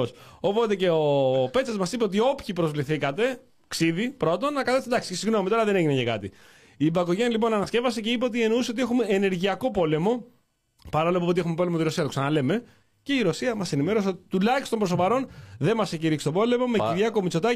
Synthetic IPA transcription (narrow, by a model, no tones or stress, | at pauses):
oso̞po̞t̪e̞ce̞ope̞t͡sɐzmɐsipeot̪io̞pçipɾo̞zvliθikɐt̪e̞ | ksiðipɾo̞t̪o̞nːɐkɐθe̞st̪od̪ɐksi̥esiɣno̞mit̪o̞ɾɐðe̞ne̞ʝinecekɐ̰t̪i | ibɐkoʝenɐlipo̞nɐnɐsce̞vɐseceip̬eot̪̬ieno̞useot̪ie̞xume̞ːne̞ɾʝiɐko̞po̞le̞mo̞ | pɐɾolopot̪ixume̞po̞lemot̪iɾo̞siɐt̪oksɐnɐle̞me̞ | ce̞iɾo̞siɐmɐse̞nime̞ɾo̞seot̪it̪ulɐçistot̪o̞mbɾoopɐɾo̞nðe̞mɐseciɾiksi̥t̪opo̞le̞mo̞meiɾʝɐko̞mit͡so̞t̪ɐ